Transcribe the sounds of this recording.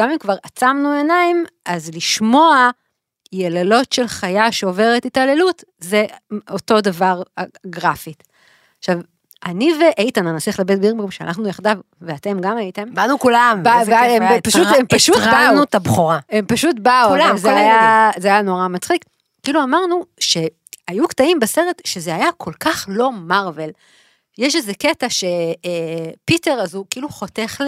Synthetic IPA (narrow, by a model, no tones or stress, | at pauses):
ɡamimkvaʁat͡samnue̞naimazliʃmo̞a | jelalo̞tʃe̞lχajaʃeo̞ve̞ʁetitale̞lut | ze̞o̞to̞davaʁɡʁafi | ʃav | ʔaniveʔejtananasliχlabet̚biʁbomʃea̰naχnujaχdav | veate̞mɡamajitembanukulambabaempaʃut̪emaʃutbanut̪abχoʁaempaʃutbaulzeajazeajano̞ʁamat͡sχik | kːiʔiluamaʁnuʃe̞ | ajuktaimbese̞ʁetʃezeajakʰo̞lkaχlo̞maʁve̞l | jeʃezeketaʃe | pite̞ʁazukiiluχot̪e̞χl